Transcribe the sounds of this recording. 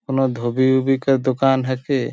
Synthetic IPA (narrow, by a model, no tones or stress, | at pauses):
konod̪ʱobibubikaɾd̪okanɦɛke